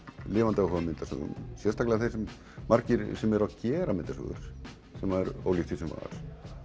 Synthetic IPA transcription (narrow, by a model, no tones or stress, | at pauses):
lɪːvant̪aʏɦɔvamɪnt̪asʏ̰ɣʏ̰msjɛr̥st̪ʰaklɪɣaθejsɛm | maɾcɪɾsɛmɛɾaðcɛːɾamɪnt̪asʏ̰ɣʏ̰ɾ̥ | sɛmaɛɾo̰wlit̪ʰisɛmva̰ɾ̥